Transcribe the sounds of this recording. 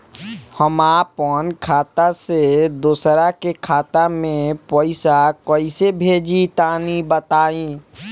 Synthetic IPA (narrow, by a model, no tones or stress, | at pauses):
həmaːpənkʰaːt̪ased̪uːsɾakekʰaːt̪amẽpɔɪsakəɪsebʱeːd͡ʒit̪aːnibət̪aːĩ